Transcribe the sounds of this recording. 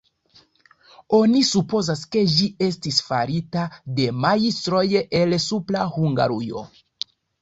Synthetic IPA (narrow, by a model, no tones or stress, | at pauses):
o̞nisupo̞zaske̞d͡ʒie̞stisfa̰ɾitade̞majistɾo̞jʔe̞lsuplahuŋɡa̰ɾujo̞̰